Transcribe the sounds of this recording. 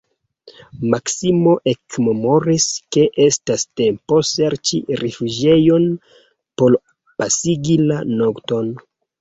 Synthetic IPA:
maksimo̞ʔe̞kmemo̞ɾiske̞ʔestaste̞mpo̞se̞ɾt͡ʃḭɾefud͡ʒe̞jo̞n | po̞l | pasiɡilanokto̞n

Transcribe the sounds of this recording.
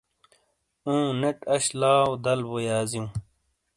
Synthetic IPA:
ũːneʈɐɕlaːwd̪ɐlbojaːzijũː

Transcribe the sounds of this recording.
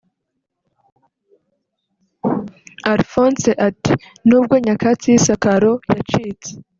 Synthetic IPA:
aɾfonseʔati | nuːb̚ɡo̞ɲakat͡sisakaɾo̞jat͡ʃiːt͡se̥

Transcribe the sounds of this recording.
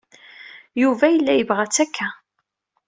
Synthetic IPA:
juvæjəlːæjəvʁæt͡sːækʰːæ

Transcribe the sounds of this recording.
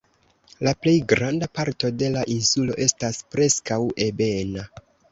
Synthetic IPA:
laple̞jɡɾandapaɾto̞de̞laʔinsulo̞̰ʔe̞staspɾe̞skawe̞be̞na

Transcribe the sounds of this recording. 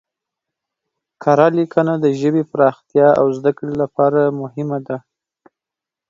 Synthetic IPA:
kʰɑɾɑlikʰənad̪əʒəbepɾɑxt̪jɑa̰wzd̪akɽilapɑɾamʊhɪmad̪a

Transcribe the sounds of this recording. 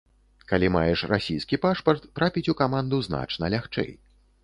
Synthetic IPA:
kalʲimajɛʂrasʲijskʲipaʂpɐrt̪ːɾapʲit͡sʲukamand̪uzna̰t͡ʂnɐlʲaxt͡ʂɛ̰j

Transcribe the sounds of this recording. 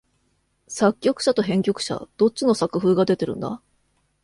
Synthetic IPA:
sakʲːo̞kɯ̟̥ɕat̪o̞ɦẽ̞ŋkʲo̞kɯ̟̥ɕa̰d̪̥o̞t͡ɕino̞sakɯ̟ɸɯːɡad̪e̞t̪e̞ɾɯ̟̃nd̪a̰

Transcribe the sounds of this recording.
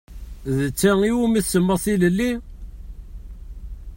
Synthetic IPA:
ðət͡sːæiwumiθsəmːəʁθiləlːi

